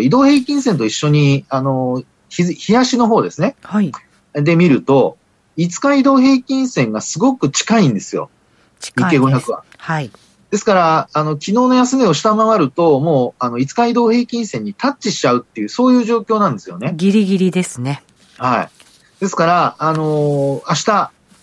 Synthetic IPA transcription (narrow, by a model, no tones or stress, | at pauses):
id̪o̞ːhe̞ːkʲĩɰ̃sent̪̬o̞iɕːo̞ɲ̟iano̞ | çiçijaɕino̞ɦo̞ːd̪e̞sɨne̞ha | d̪e̞mʲiɾɯ̟t̪o̞ | it͡sɨ̥kaid̪o̞ːɦe̞ːkʲĩɰ̃sẽ̞ŋɡasɨɡo̞kɯ̟t͡ɕi̥kaĩnd̪e̞sɨjo̞̰̥ | ɲike̞ɡo̞çakɯ̟βa̰ | d̪̥e̞sɨ̥kaɾaːno̞kʲino̞ːno̞jasɨmeo̞ɕi̥t̪amaβaɾɯ̟t̪o̞mo̞ːano̞it͡sɨ̥kaid̪o̞ːhe̞ːkʲĩɰ̃sẽ̞ɲ̟ːit̪at͡ɕːiɕi̥t͡ɕaɯ̟t̪ːe̞jɯ̟ːso̞ːjɯ̟ːʑo̞ːkʲo̞ːnãnd̪e̞sɨjo̞ne̞ɡʲiɾʲiɡʲiɾʲid̪e̞sɨne | haḭ | d̪̥e̞sɨ̥kaɾaːno̞aɕi̥t̪a